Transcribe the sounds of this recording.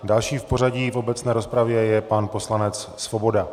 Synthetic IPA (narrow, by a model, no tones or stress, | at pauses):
dalʃiːfpo̞raɟiːfo̞bɛt͡snɛːɾo̞spɾavjɛjɛpanpo̞slanɛt͡ssvo̞bo̞da